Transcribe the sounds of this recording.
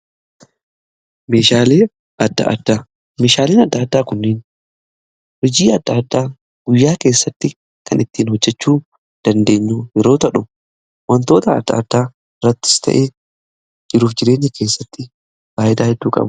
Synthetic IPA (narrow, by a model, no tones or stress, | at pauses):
meːʃaːleː | ɐd̪ːɐ̰ʔɐd̪ːaː | me̞ːʃaːleːnɐd̪ːɐːd̪ːaːkʊnːɪːn | hɔd͡ʒiːɐd̪ːad̪ːaː | ɡ̥ʊjːaːke̞ːsːɐt̪ːɪ | kɐnʔɪt̪ːiːnhɔd͡ʒːɛt͡ʃːuː | d̪̥ɐnd̪e̞ːɲːuːjɛɾo̞ːt̪ɐᶑʊ | wɔnt̪o̞ːt̪ɐ̰ːd̪ːɐ̰ɐd̪ːaː | ɪrɐt̪ːɪ̥st̪ʰɐ̰ʔeː | d͡ʒɪɾuːfd͡ʒɪɾe̞ːɲːɪkʰe̞ːsːɐt̪ːɪ | faːʔɪd̪aːhɛd̪ːuːkʼɐ̰bʊ